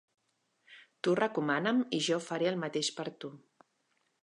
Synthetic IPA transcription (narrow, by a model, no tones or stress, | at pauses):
t̪urəkumanəmiʒɔfəɾeəlˠmət̪eʃpəɾt̪u